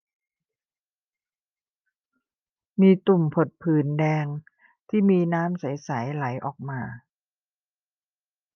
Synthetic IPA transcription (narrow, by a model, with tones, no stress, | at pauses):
miː˧t̪u˨˩mpʰo˨˩t̪̚pʰɯː˨˩ndɛː˧ŋ | t̪ʰiː˥˩miː˧naː˦˥msa˩˦jsa˩˦jla˩˦jʔɔ̰ː˨˩k̚maː˧